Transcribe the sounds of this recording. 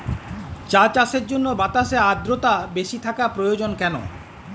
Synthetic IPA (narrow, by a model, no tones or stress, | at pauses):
t͡ɕat͡ɕaʃeɾd͡ʑonːobat̪aʃead̪ɾot̪abeʃit̪ʰakapɾojod͡ʑonkɛno̰